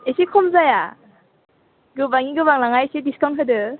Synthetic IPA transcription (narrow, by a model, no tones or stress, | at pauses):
esikʰɔmzaja | ɡɯbaŋiɡɯbaŋlaŋajsediskaŋɦɯdɯ